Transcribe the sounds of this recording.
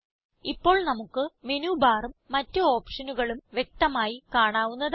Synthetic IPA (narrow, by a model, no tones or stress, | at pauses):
ipːo̞ːɭnɐmukːɨme̞nuːbaːrumːɐtːɨo̞ːpʂɐnuɣɐɭumʋje̞k̚t̪ɐmaːjikaːɳaːʋunːɐð